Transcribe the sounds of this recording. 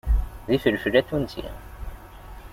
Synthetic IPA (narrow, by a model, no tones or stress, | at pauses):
ðifəlflːæθunt̪ḭ